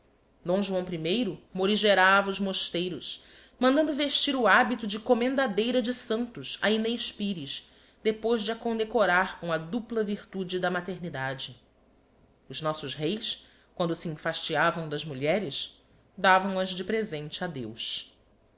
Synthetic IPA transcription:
d̪õw̃ʒuɐ̃w̃pɾimejɾʊmoɾiʒeɾavɐuzmoʃt̪ejɾʊʃ | mɐ̃nd̪ɐ̃nd̪ʊveʃt͡ʃiɾʊabit̪ʊd͡ʒɪkomẽnd̪ad̪ejɾɐd͡ʒɪsɐ̃nt̪ʊʃɐinejʃpiɾiʃ | d̪epojʒd͡ʒɪɐkõd̪ekoɾaɾkõɐd̪uplɐviɾt̪ud͡ʒɪd̪ɐmat̪eɾnid̪ad͡ʒɪ | ʊznɔsʊzɦejs | kwɐ̃nd̪ʊsiẽfaʃt͡ʃiavɐ̃w̃d̪ɐzmuʎɛɾɪʃ | d̪avɐ̃w̃ɐzd͡ʒɪpɾezẽnt͡ʃɪad̪ewʃ

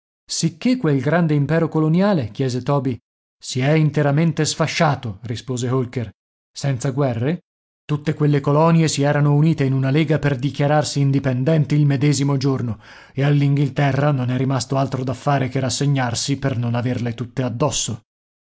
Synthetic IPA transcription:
sikʰːekːwelɡɾand̪eimpɛːɾokolonjaːlek̟jɛːzet̪ɔːbi | siɛint̪eɾament̪esfaʃːaːt̪orispoːzeɦolker | sɛnt̪saɡwɛrːe | t̪ut̪ːekwelːekolɔnjesiɛːɾanouniːt̪einunaleːɡaperd̪ikjaɾarsiːnd̪ipend̪ɛnt̪iilmed̪ɛːzimod͡ʒorno | ealːiŋɡilt̪ɛrːanonɛɾimast̪oalt̪ɾod̪afːaːɾekerasːeɲːarsipernonaverlet̪ut̪ːead̪ːɔsːo

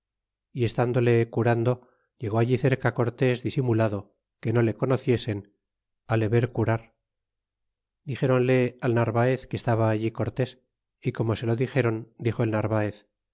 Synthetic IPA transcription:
ie̞st̪and̪o̞le̞kuɾand̪o̞ | ʝe̞ɣo̞aʝiθe̞ɾkako̞ɾt̪e̞zðisimulaðo̞ | ke̞no̞le̞ko̞no̞θje̞se̞n | aleβe̞ɾkuɾaɾ | d̪ixe̞ɾo̞nle̞alnaɾβaeθkest̪aβaːʎiko̞ɾt̪e̞s | iko̞mo̞se̞lo̞ðixe̞ɾo̞nd̪ixo̞e̞lnaɾβae̞θ

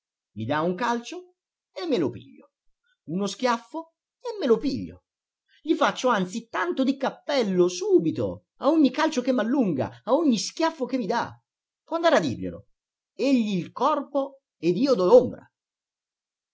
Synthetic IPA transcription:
mid̪auŋkalt͡ʃo | emːelopḭʎːo | unosk̟jafːo | emːelopiʎːo̰ | ʎifat͡ʃːoant̪sit̪ant̪od̪ikapːɛlːosuːbit̪o̰ | aoɲːikalt͡ʃokemːalːuŋɡa̰aoɲːisk̟jafːok̟evid̪a̰ | pwɔand̪aɾad̪ḭrʎḛlo̰ | eʎːiːlkɔrpo | ed̪iːod̪ɔombɾa̰

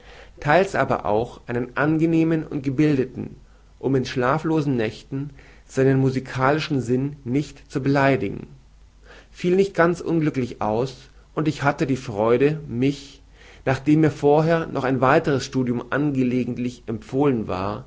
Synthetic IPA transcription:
tʰaɪlsʔaːbɐ̰ʔa̰ʊxʔaɪnənʔanɡəneːmənʊ̰nt̚ɡ̥əbɪldətn̩ | ʔʊmɪnʃlaːfloːzn̩nɛçtn̩ | z̥aɪnənmuzikʰaːlɪʃn̩zɪnːɪçtt͡subəlaɪdɪɡŋ̩ | fiːlnɪçt̚ɡ̥ant͡sʔʊ̰nɡlʏklɪça̰ʊs | ʔʊntɪçhatədiːfʁ̥ɔʏɾəmɪç | naːχd̥eːmːiːɐfoːɐɦeːɐnʔɔχaɪnvaɪtəʁ̞əsʃtuːdjʊmʔa̰nɡəleːɡŋ̩tlɪçʔɛmp͡foːlənva̰ːɐ

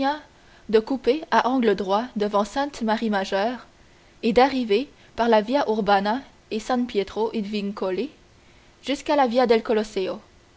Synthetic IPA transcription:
ɛ̃ | d̪əkupeaʔɑ̃ɡləd̪ʁwad̪əvɑ̃sɛ̃t̪maʁimaʒœːʁ | ed̪aʁive | paʁlavjaʔuʁbana | esɛ̃pjet̪χoʔid̪viŋkɔle | ʒ̥yskalavjad̪ɛlkɔlɔseo

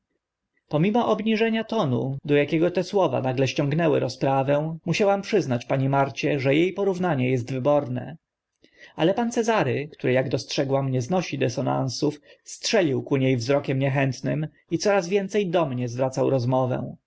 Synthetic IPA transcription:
pɔmʲimɔʔɔbɲiʐɛɲat̪ɔnud̪ɔjakʲɛɡɔt̪ɛswɔva̰naɡlɛɕt͡ɕɔ̃ŋɡnɛwɘ̰ɾɔspɾavɛ̃muɕawampʂɘznat͡ɕpaɲɛmaɾt͡ɕɛʐɛjejpɔɾuvnaɲɛjɛst̪vɘbɔɾnɛ̰ | alɛpant̪sɛzaɾɘkt̪uɾɘjaɡd̪ɔstʂɛɡwamɲɛznɔɕid̪ɛsɔna̰nsufstʂɛlʲiwkuɲejvzɾɔkʲɛmɲɛxɛnt̪nɘm | it̪sɔɾazvʲjɛnt̪sɛjd̪ɔmɲɛzvɾat̪sawɾɔzmɔvɛ̰̃

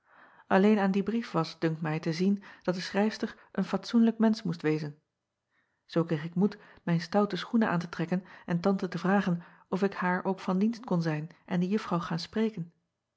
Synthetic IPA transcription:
ʔɑlejnaːndibrifʋɑsd̥ɵŋktmɛjtəzind̥ɑt̚dəsχrɛjfstəɹ | ʔənfɑtsunləkmɛnsmustʋejzən | z̥owkeχɪkmut | mɛjnstʌwtəsχunəʔaːntətrɛkənɛntɑntətəvraːχən | ɔfɪkhaːɹʔowkfɑndinstkɔnzɛjnʔɛndəjɵfrɑwχaːnsprejkən

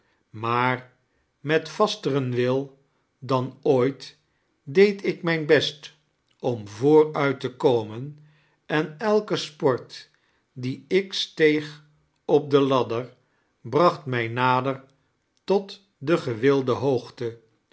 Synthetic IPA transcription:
maːr | mɛtfɑstərənʋɪlˠ | dɑnoːjt | dejtɪkmɛjnbɛst | ɔmvʊːrœɥtəkowmən | ɛnɛlˠkəspɔɹt | diɪkstejχ | ɔp̚dəlɑdəɹ | brɑχtmɛjnaːdəɹ | tɔt | dəχəʋɪlˠdəɦowχtə

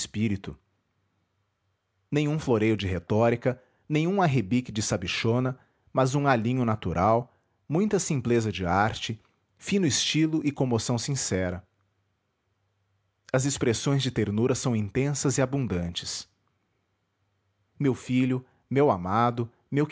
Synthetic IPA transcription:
spiɾit̪ʊ | nẽj̃ɲ̃ũfloɾejʊd͡ʒɪɦet̪ɔɾikɐ | nẽj̃ũaɦebikɪd͡ʒɪsabiʃõnɐ | mɐzũalĩɲʊnat̪uɾʔaw | mũj̃t̪ɐsĩmplezɐd͡ʒɪaɾt͡ʃɪ | fĩnʊɪst͡ʃilʊʔɪkõmosɐ̃w̃sĩsɛɾɐ | ɐzɪspɾesõj̃zd͡ʒɪt̪eɾnuɾɐsɐ̃w̃ĩnt̪ẽsɐzɪabũnd̪ɐ̃nt͡ʃɪ̥s | mewfiʎʊ | mewamad̪ʊ | mew

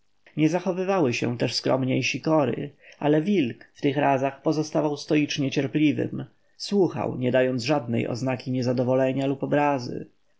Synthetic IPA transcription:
ɲɛzaxɔvɘvawɘɕɛ̰̃t̪ɛʂskɾɔ̰mɲejɕikɔɾɘ̰ʔalɛvʲilkft̪ɘxɾazaxpɔzɔst̪avawst̪ɔit͡ʂɲɛt͡ɕɛɾplʲivɘ̰m | swuxa̰wɲɛd̪ajɔnd̪zʐad̪̚nɛ̰jɔ̰znakʲiɲɛzad̪ɔvɔlɛɲalupɔbɾazɘ̰

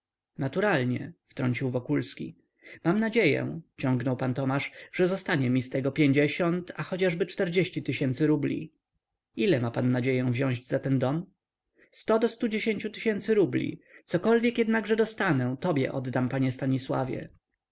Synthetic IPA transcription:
nat̪uɾalɲɛ̰ft̪ɾɔɲt͡ɕiwvɔkulskʲi | mamnad͡ʑejɛ̰t͡ɕɔ̃ŋɡnɔwpant̪ɔmaʂʐɛzɔst̪aɲɛmʲist̪ɛɡɔpʲjeɲd͡ʑɛɕɔnt̪axɔt͡ɕaʐbɘt͡ʂt̪ɛɾd͡ʑeɕt͡ɕit̪ɘɕɛnt̪sɘɾublʲḭ | ilɛmapanːad͡ʑejɛ̃w̃vʑɔ̃w̃ʑd͡ʑzat̪ɛnd̪ɔm | st̪ɔd̪ɔst̪ud͡ʑeɕeɲt͡ɕut̪ɘɕɛnt̪sɘɾublʲḭt̪sɔkɔlvʲjɛkjɛd̪naɡʐɛd̪ɔst̪anɛt̪ɔbʲjɛ̰ʔɔd̪d̪ampaɲɛst̪aɲiswa̰vʲjɛ̰

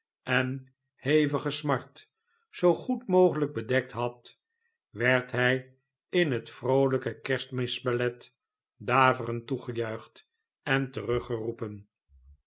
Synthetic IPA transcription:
ʔɛn | hejvəχəsmɑɹt | z̥owχutmowχələɡ̚bədɛk̚tɦɑt | ʋɛɹtɦɛj | ɪnɦətfrowləkəkɛɹstmɪsbəlɛt | daːvərəntuχəjœɥχt | ɛntərɵχərupən

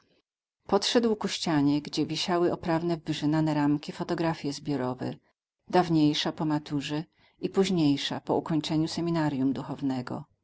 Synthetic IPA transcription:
pɔtʂɛd̪wkuɕt͡ɕaɲɛɡd͡ʑɛvʲiɕawɘɔpɾavnɛvːɘʐɘnanɛɾamkʲifɔt̪ɔɡɾafʲjɛzbʲjɔɾɔvɛ̰ | d̪avɲejʂapɔmat̪uʐɛ | ipuʑɲejʂapɔukɔɲt͡ʂɛɲusɛmʲinaɾjumd̪uxɔvnɛɡɔ̰

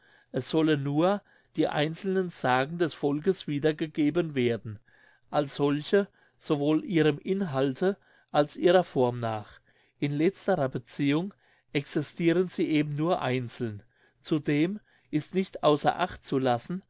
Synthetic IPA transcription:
ʔɛsz̥ɔlənːuːɐ | d̥iːʔa̰ɪnt͡sl̩nənz̥aːɡŋ̩dɛsfɔlkəsv̥iːdɐɡəɡeːbənveːɐdn̩ | ʔalsz̥ɔlçə | z̥ovoːlʔiːʁəmʔɪnɦaltʰə | ʔalsʔiːʁɐfɔɐmnaːχ | ʔɪnlɛt͡stəʁɐbət͡siːʊŋ | ʔɛksɪstʰiːʁənziːʔeːbm̩nuːɐʔaɪnt͡sl̩n | t͡sudeːm | ʔɪstnɪçtʔaʊsɐ̰ʔa̰χtt͡sulasn̩

